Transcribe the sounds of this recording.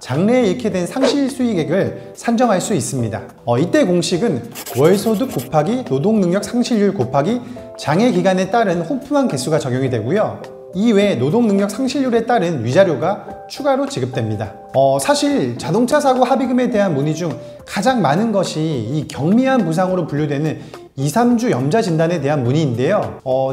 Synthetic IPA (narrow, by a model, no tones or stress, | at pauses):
t͡ɕaŋne̞eiɭkʰedwe̞nsʰaŋɕʰiɭs͈ʰuiɡe̞ɡɯɭ | sʰand͡ʑʌŋɦaɭs͈uis͈ɯmɲida̰ | ʌit͈e̞koŋɕʰiɡɯn | wʌɭsʰodɯk͈ːopʰaɡinodoŋnɯŋɲʌk̚sʰaŋɕʰiʎːuɭkopʰaɡi | t͡ɕaŋe̞ɡiɡane̞t͈aɾɯnhopʰumɦanke̞sʰuɡat͡ɕʌɡjʌŋidwe̞ɡujo | iwe̞nodoŋnɯŋɲʌk̚sʰaŋɕʰiʎːjuɾe̞t͈aɾɯnɥid͡ʑaɾjoɡat͡ɕʰuɡaɾot͡ɕiɡɯp̚t͈wemɲida̰ | ʌsʰaɕʰiɭt͡ɕadoŋt͡ɕʰasʰaɡohabiɡɯme̞de̞ɦanmuɲid͡ʑuŋ | kad͡ʑaŋmanɯnɡʌɕʰiːkjʌŋmiɦanpus̬ʰaŋɯɾopuɭːodwe̞nɯn | isʰamd͡ʑujʌmd͡ʑad͡ʑindane̞te̞ɦanmuɲiːnde̞joʌ